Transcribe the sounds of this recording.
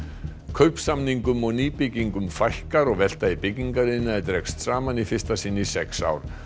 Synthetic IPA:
kʰœɥhpsamniŋkʏmɔɣniːpɪciŋkʏmfajhkaɾɔɣvɛl̥t̪aipɪciŋkaɾɪnːaɛɾt̪ɾɛkst̪saːmanifɪ̥st̪asɪnːɪisɛksa̰ːwɾ̥

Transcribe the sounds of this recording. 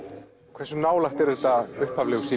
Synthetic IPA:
kʰvɛrsʏnaːwlaht̪ɛɾðɛht̪aʏhphavlɛɣʏsiː

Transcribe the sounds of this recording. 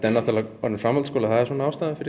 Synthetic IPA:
t̪ɛnːaht̪aɾlaɔɾnɪnfɾamɔlskɔːlaθaðɛ̥sɔːnaaːwst̪aːðɪfɪɾɪ

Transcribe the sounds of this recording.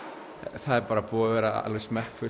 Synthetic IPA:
θaðɛɾpaːɾapuːavɛːɾaa̰lvɛsmɛhkfʏ

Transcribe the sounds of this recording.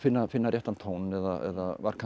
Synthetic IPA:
fɪnːafɪnːaɾjɛht̪ant̪ʰownɛðaɛ̰ðavaɾkʰa

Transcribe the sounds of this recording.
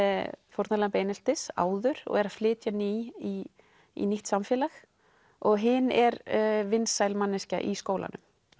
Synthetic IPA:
fowɾt̪nalaampejnɪlt̪ɪsa̰ːwðʏɾ̥ɔ̰ɣɛɾaflɪːt̪janii | ḭniht̪samfjɛːlax | ɔɣɦɪnɛɾvɪnsajlmanːɪsca̰ʔiskoːwlʔa̰nʏ̰m

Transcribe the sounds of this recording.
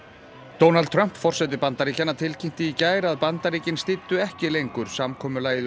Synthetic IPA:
t̪oːwnalt̪t̪ʰɾœm̥pfɔr̥sɛt̪̬ɪpant̪aɾicanːat̪ʰɪlcʰejm̥t̪ɪicaːjɾaðpant̪aɾiːcɪnst̪ɪt̪ːʏɛhcɪlejŋkʏɾ̥samkʰɔːmʏlaːjð

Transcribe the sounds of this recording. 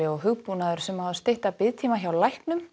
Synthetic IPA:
ɪɔɣɦʏɣpunaðʏɾ̥sɛmawðast̪ejht̪apɪðt̪ʰiːmaçawlajhknʏm

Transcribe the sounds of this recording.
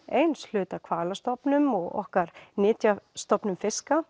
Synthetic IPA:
ejnslʏːt̪akʰvaːlast̪ɔpnʏmɔɣɔ̰hkaɾnɪːt̪jast̪ɔpnʏmfɪska

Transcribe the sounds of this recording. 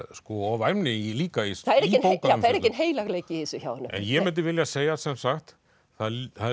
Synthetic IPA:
skɔɔvajmnɪiliːkaisθaðɛɾɛɪnpowkaθaðɛɾehcːɪnɦeːjlaɣleːcɪɪsʏça̰wðnːʏɛ̰njɛmɪnt̪̬ɪvɪljaseːjasɛmsaxt̪ | θaðθað

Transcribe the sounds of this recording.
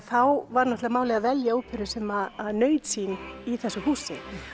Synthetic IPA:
θawvaɾnɔht̪lɪvamaːwlɛɣavɛljaupʰʏɾʏsɛmaðnœːɥt̪siːniθɛsːʏhuːsɪ

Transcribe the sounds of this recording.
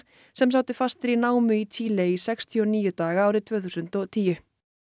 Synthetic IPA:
sɛmsaːwt̪ɪfast̪ɪɾinaːwmʏit̪ʰiːleisɛkst̪ʰiɔniːjʏt̪aːɣaaːwɾɪt̪ʰvœːθusʏnt̪ɔt̪ʰiːjʏ

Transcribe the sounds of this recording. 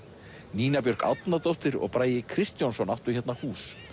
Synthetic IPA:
niːnapjœr̥ɾ̥ka̰wt̪nat̪owht̪ɪɾɔ̰ɣpɾaːjɪkʰɾɪst̪jawnsɔwnaht̪ʏ̥çɛt̪nahuːs

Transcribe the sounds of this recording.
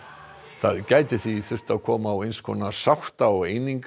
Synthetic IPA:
θaðcaːjt̪ɪθviθʏr̥t̪aðkʰɔːmawejnskʰɔnasawht̪aɔɣejniŋk

